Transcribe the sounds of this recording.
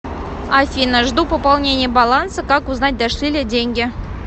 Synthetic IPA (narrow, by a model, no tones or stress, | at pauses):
ɑfʲinəʐd̪upopɑlˠnʲenʲɪjəbɑlˠɑnsɤkɑkuznɑt̚ʲd̪æʂlʲilʲedʲeŋʲɡʲɘ̆